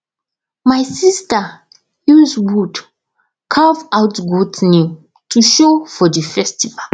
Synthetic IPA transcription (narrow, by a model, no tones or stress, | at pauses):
majsista | juzwud | kʰavawtɡutni | tʰuʃofɔdifɛstival